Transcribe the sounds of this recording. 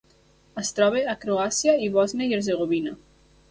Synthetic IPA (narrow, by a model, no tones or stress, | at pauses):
əst̪ɾɔβeakɾoasiaiβɔznajeɾzeɣ̞oβina